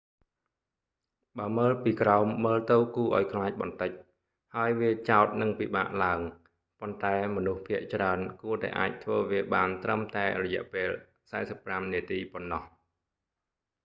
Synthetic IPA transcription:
ɓaːəməːlpiːkraɔmːəːlt̪ɨwkuːʔaɔjkʰlaːc̚ɓɑnt̪ɨc̚ | haəjʋiət͡ɕaɔt̪̚nɨŋpiːɓa̰ːʔlaəŋ | pont̪aɛmɔnuhpʰiəʔt͡ɕraənkuət̪a̰ɛʔa̰ːc̚t̪ʰʋəːʋiəɓaːnt̪rəmt̪aɛrɔjɛ̆əʔpeːl | saɛsəpːramniət̪iːponːɑh

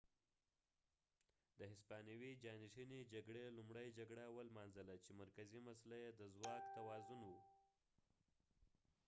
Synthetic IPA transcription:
d̪əɦɪspɑnawid͡ʒɑniʂined͡ʒaɡɽelumɽəjd͡ʒaɡɽawəlmɑnzəlat͡ʃemaɾkazimasalajed̪əzwɑkt̪awɑzunwu

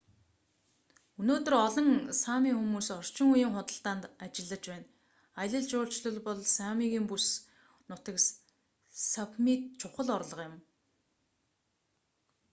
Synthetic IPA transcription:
unoːt̪ɵ̆rɔɮɞ̆ŋsaːmiːŋxumuːsɔr̥t͡ɕɪ̆ŋujiːŋχʊt̪ə̆ɬt̪aːnt̪at͡ɕɪ̆ɮːə̆t͡ɕpæːn | ajə̆ɮə̆ɮt͡ɕʊːɬt͡ɕɮə̆ɮpɔɮsamiːɣiːmpus | nʊt̪ə̆k | sapmit̪t͡ɕʰʊχə̆ɮɔɾɮɞ̆qjɪ̆m

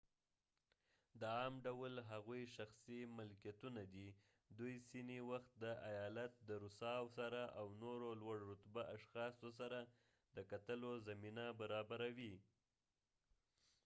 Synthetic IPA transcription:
d̪əɑmɖawlɦaɣujʃaxsimɪlkjat̪unad̪i | d̪ujsiniwaxt̪̚d̪əʔajɑlat̪̚d̪əɾʊsɑwsaɾaʔawnoɾolwaɽɾʊt̪baʔaʃxɑsos̬aɾa | d̪̥əkat̪əlozaminabaɾɑbaɾawi

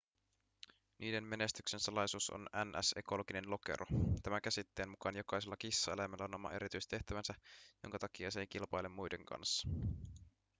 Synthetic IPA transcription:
nʔiːde̞mme̞ne̞st̪yksensɑlɑjsuːso̰nænʔæ̰se̞̰ko̞lo̞ɡine̞nlo̞ke̞̰ɾʔot̪æmækæsit̪ːeːnmukɑnjo̞kɑjselːɑkisːɑe̞læmælːæo̞no̞mɑ̰ʔe̞ɾit̪yjst̪e̞ht̪æʋænsæjoŋkɑt̪ɑkiɑsejk̟ilpɑjlemːujde̞ŋkɑ̰nsːɑ̥

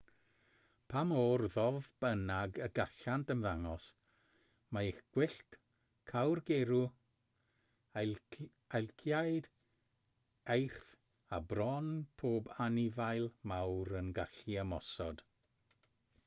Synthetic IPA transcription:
pʰamoːrðɔvb̥ənaɡəɡaɬantənvaŋɔs | maixɡ̥wɪɬt | kʰawrɡeɾu | alˠkʰjajd | ejr̥θ | abrɔnpʰoːbanɪvajlˠmawɾənɡaɬiəmɔsɔd̥

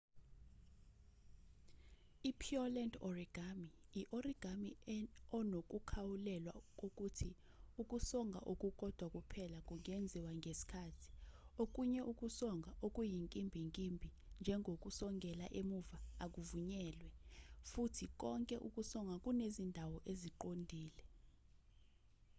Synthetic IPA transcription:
ipʰiɔlɛndɔriɡ̥ʱamiiʔɔriɡ̥ʱamiɔnok̬ʼukʰawulɛlwa̰k̬ʼok̬ʼutʰi | uk̬ʼusɔŋɡʱa̰ʔok̬ʼuk̬ʼɔd̥ʱwak̬ʼupʰɛlak̬ʼuŋɛnd͡zʱiwaŋʱesi̥kʰaːtʰi̥ok̬uɲɛʔuk̬ʼusɔŋɡʱaʔok̬ʼujiŋkʼimbʱiŋkʼimbʱi | nd͡ʒʱɛŋʱok̬ʼusɔŋɡʱɛlaʔemuvaːk̬uvuɲɛːlwɛfutʰik̬ʼɔŋkʼɛʔuk̬ʼusɔŋɡʱak̬ʼunezindʱawɔʔeziǃondʱiːlɛ

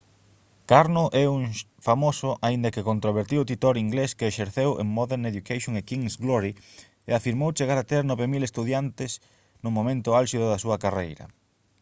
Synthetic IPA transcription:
kaɾnʊʔɛuŋ | famosʊʔaĩnd̪ɐkɪkont̪ɾoβ̞eɾt̪iwʊt̪it̪oɾiŋɡleskeːʃeɾθewḛŋmɔðeɾneðukajʃjõŋekiŋsɡlɔɾi | ḛafiɾmowt͡ʃeɣaɾat̪eɾnɔβemilest̪uðjant̪ɪs | nʊmomẽnt̪ʊalʃiðʊðɐsuɐkarejɾɐ̰

